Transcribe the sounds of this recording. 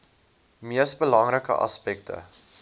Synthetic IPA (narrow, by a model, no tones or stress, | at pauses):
miəsbəlɐŋɾəkə̰ʔɑ̰spɛk̚tʰə̰